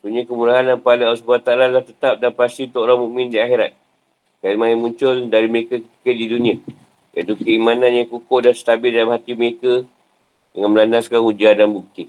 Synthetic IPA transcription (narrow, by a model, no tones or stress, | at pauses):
t̪uɲakəmuɾaɦandanpaleasubat̪alalaht̪ət̪ap̚danpast̪iut̪ʊʔoɾaŋmũmɪ̃ndiaxeɾat̪̚ | kajimaɪnmuɲt͡ʃʊldaɾiməɾekəkət̪ə̥kət̪̚didunĩə | ja̰t̪ukəimananjaŋkukʊʔdansə̥t̪abɪldalamhat̪iməɾekə | dəŋanməlanaskanud͡ʒadanbuk̚t̪ɪt̪̚